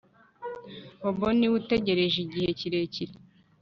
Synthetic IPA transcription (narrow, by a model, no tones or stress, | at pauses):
hoboniwute̞ɟe̞ɾe̞ʒiɟihe̞ciɾe̞ciɾe